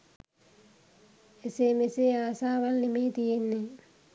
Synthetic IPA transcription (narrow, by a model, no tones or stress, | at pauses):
esemeseaːsaːʋalnemet̪ijenːe